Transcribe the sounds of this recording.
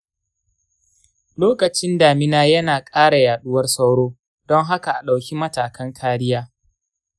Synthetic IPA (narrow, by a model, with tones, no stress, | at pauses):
loː˦kɐ˨t͡ʃɪ˦ndaː˨mɪ˦naː˦jɐ˦naː˨kʼaː˦ɽa˨jaː˨ɗʊ˦wɐ˦rsɐ˦wɽoː˦ | dɔ˦ŋɦa˦ka˨ʔa˨ɗa˨wkʲi˦mɐ˦taː˨kɐ˦ŋkʰaː˦ɽɪ˦jaː˦